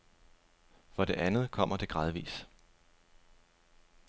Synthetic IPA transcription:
fɒ̽d̥e̝ʔænð̩ˠkʰɒ̽m̰ɐd̥e̝ɡ̥ʁɑ̈ːð̞ˠʋḭːs

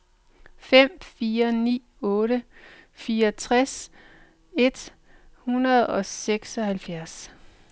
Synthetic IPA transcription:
fem̰fiːɐnḭː | ɔ̽ːɾəfiːʌt͡sʰʁas | e̝d̥ | hunɐð̞ˠɒ̽seɡ̥sɒ̽hælfjæɐs

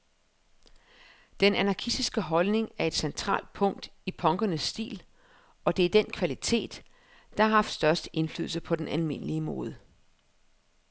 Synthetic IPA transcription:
d̥enænɑ̈kʰisisɡ̥əɦɒ̽lne̝ŋæɐe̝d̥sent͡sʰʁɑ̰̈ːld̥̚pʰɔ̽ŋ̰d̥ipʰɒ̽ŋɡ̥ɐnəsːd̥ḭːl | ɒ̽d̥e̝æɐd̥en̰kʰʋælit͡sʰe̝̰ːd̥ː | ɑ̈hɑ̈fd̥sd̥ɶɐsd̥e̝nfly̰ːðˠl̩səpʰɒ̽d̥enælme̝n̰əliəmo̰ːð̞ˠə

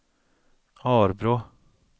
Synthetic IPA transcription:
hɑːɾbɾoː

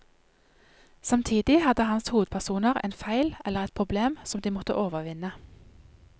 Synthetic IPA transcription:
sɑmt̪ʰiːd̪ɪhɑd̪əhɑnshuːʋəd̪̚pʰæsuːnəʁɛ̰nfæɪlɛlːəʁɛt̪̚pʰʁʊbleːmsɔmd̪iːmɔt̪ə̰ʔoːʋəʁʋɪnə

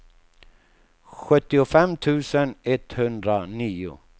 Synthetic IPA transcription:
ɧɵt̪ːɪʊfɛmt̪ʰʉ̟ːsənɛt̪hɵnd̪ɾaniːʊ̰

